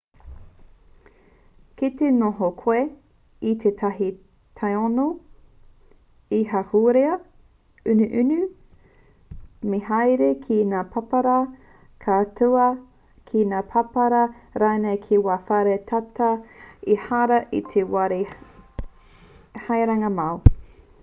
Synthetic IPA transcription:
kit̪enoɦokʰoe | it̪ʰetʰɐɦi | t̪ʰajono | iɦahuːɾeɐ | ʉnʉʔʉnʉ | meɦajɾekʰinaːpʰɐpɐɾɐ | kʰatʰuɐ | kʰinaːpʰɐpɐɾɐɾaːnejkʰiwaːfaɾet̪ʰatɐihaɾɐʔḭt̪ʰewaɾi | hajɾɐŋɐmɐw

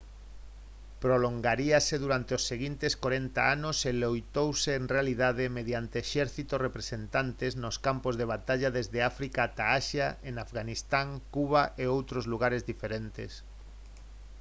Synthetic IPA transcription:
pɾoloŋɡaɾiaseðuɾant̪eosːeɣint̪eskoɾent̪aanʊselojt̪owseːŋrealiðað̞emeðjant̪eːʃɛɾθit̪orepɾesent̪ant̪eznoskampozðeβ̞at̪aʎaðezðeafɾikat̪aaʃjaʔenafɣanist̪aŋkuβaʔeowt̪ɾozluɣ̞aɾezðifeɾent̪ḛs

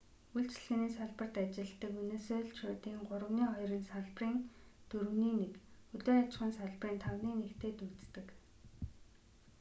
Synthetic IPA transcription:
uɮt͡ɕɮɣɘ̆niːsaɮpə̆r̥t̪at͡ɕɪ̆ɮt̪ːə̆kuneːseːɮt͡ɕʃoːt̪iːŋɢʊɾə̆wniːχɔjrə̆nsaɮpriːnt̪ɵɾɘ̆wniːnekɵɮoːat͡ɕχə̆nsaɮpriːnt̪ʰawniːnekt̪ʰeːt̪ut͡st̪ɘ̆k

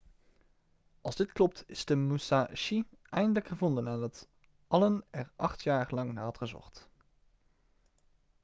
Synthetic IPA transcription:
ʔɑlˠzdɪtklɔp̚tɪzdəmusaʃiɛjndələkχəvɔndənaːndɑt | ʔɑlənɛɹʔɑχtjaːɹlɑŋnaːɑtrəzɔ̰ɹt

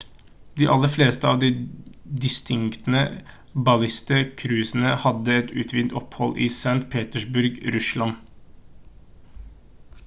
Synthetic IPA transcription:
d̪iːʔɑlːəfleːst̪əɑːʋd̪iːd̪ɪst̪ʰɪŋkt̪nə | bɑlɪst̪əkʰɾʉːsn̩əhɑd̪əɛt̪ʉːt̪ʰʋiːnt̪ɔphɔlʔiːsæŋt̪pʰeːt̪əʂbʉɾɡɾʉslɑn

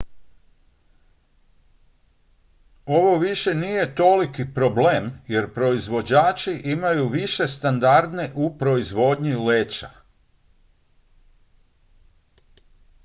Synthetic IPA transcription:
o̞ʋo̞ʋiʃe̞nije̞t̪o̞likipɾo̞ble̞ːmje̞ɾpɾo̞izʋo̞d͡ʑaːt͡ʃiʔimajuʋiʃe̞st̪and̪aɾd̪ne̞ʔupɾo̞izʋo̞d̪ɲileːt͡ʃa̰

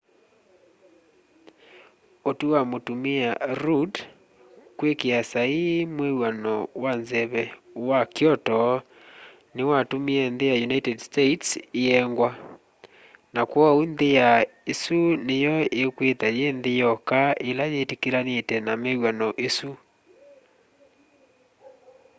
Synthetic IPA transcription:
otuwamotumeaɾud | kwekeasaimwewanɔwanzɛβɛ | wakjɔtɔ | newatomeɛnðejajunaitɛdstetseɛŋɡwa | nakwɔunðejaesunejɔekwetajenðejɔkaelajetekeɾanetɛnamewanɔʔesu

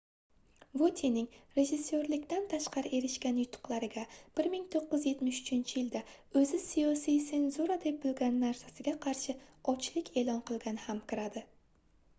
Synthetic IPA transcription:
vot̪ʰenɪŋɾe̞ʒɪsːoɾlɪkʲt̪ant̪ʰaʃqɑɾɪʔe̞ɾɪʃkʲanjʊt̪ʰːʊ̥qlˠaɾɪɡʲab̥ɪɾmɪŋt̪ʰoqːɨzje̞t̪mɪʃʊ̥t͡ʃʰɪnt͡ʃʰɪjɪld̪a | ɵzɪsijɒsijse̞nzuɾad̪ep̚bɪlɡʲanːaɾsasɪɡʲaqʰɑɾʃɪɒt͡ʃlɪkʲʰe̞lˠɒnqʰɨlˠɡʲanɪhamkʲɪɾad̪ɪ

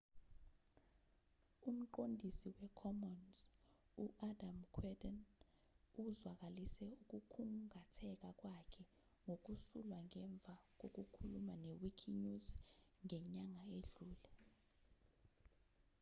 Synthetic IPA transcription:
um̩ǃondʱisiwɛkʰɔmɔnz | uʔadamkʰwɛdɛn | uzwak̬alisɛuk̬ukʰuŋʱatʰɛk̬ak̬ʼwakʰɛ | ŋok̬usulwaŋɛɱb̪vʱak̬ok̬ukʰulumanewikʰiɲuzŋɛɲaŋaeɮuːlɛ

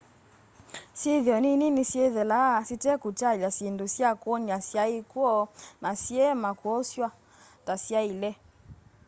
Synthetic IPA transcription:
siðjɔnininisiɛðɛlasitɛkutalasindusjakwɔniasjaikwɔnasiɛmakɔsjwa | tasjailɛ

